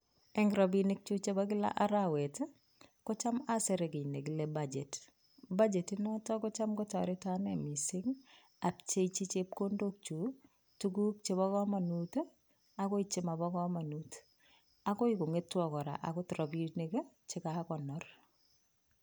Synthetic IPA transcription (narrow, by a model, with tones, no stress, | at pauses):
ɛ˦ŋɡɾɔbinɪ˦k̚t͡ʃu˦t͡ʃebakɪ˦la̰˦ʔaɾawɛ˨t | kɔt͡ʃa˦ma˦sɛɾe˨ki˨ne˨ki˨lebad͡ʒe˨t | ba˦d͡ʒe˨tinɔ˦tɔkɔ˦t͡ʃa˦mkɔt͡ʃɔ̰ɾɪtanɛmisɪ˦ŋ | a˨p̚t͡ʃe˦t͡ʃi˦t͡ʃep̚kondok̚t͡ʃu˨ | tuɡu˦k̚t͡ʃe˦βɔkɔ˦ma˨nut | a˦kɔ˦it͡ʃɪ˦ma˨bɔ˦kɔ˦ma˨nut | a˦kɔ˦iko˨ŋetːwɔ˨kɔ˨ɾa̰˨ʔa˨kɔtɾɔ˨binik | t͡ʃɪ˦kakɔnɔr